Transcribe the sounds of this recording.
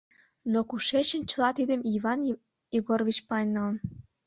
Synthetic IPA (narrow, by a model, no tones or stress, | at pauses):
nokuʃet͡ɕə̆nt͡ɕəlɑt̪id̪əmiβɑn | jiɣorvʲit͡ɕpɑenːɑlən